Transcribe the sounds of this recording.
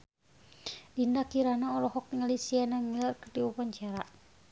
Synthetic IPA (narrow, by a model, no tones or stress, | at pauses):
dindakiɾanaɔlɔɦɔk̚ŋalisianamilarkərdiupaɲt͡ʃaɾa